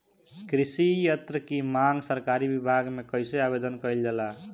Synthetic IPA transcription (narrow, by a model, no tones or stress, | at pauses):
kɾisijət̪ɾəkimaŋɡsəɾkaɾibibʱaɡmekəjseabed̪ənkəɪld͡ʒala